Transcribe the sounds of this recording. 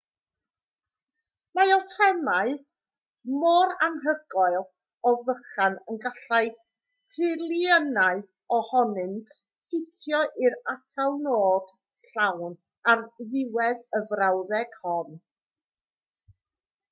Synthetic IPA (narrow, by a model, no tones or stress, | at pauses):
majɔtʰɛmaɨ | mɔɾanɦəɡ̥ɔɨlˠ | ɔvəχanənɡaɬaɨ | tʰɪlˠiənaɨ | ɔhɔnɨntʰ | fɪtʰjɔʔɪɾatʰalˠnoːd̥ | ɬawn | arðɪwɛðəvrawðɛɡ̥hɔn